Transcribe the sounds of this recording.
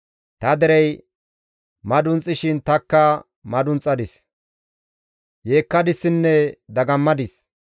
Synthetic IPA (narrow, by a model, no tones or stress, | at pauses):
t̪ɐd̪ɛɾɛj | mɐd̪ʊnt͡sʼːɪʃɪnt̪ɐkːɐ | mɐd̪ʊnt͡sʼːɐd̪ɪs | jeːkːɐd̪ɪsːɪnːɛd̪ɐɡɐmːɐd̪ɪs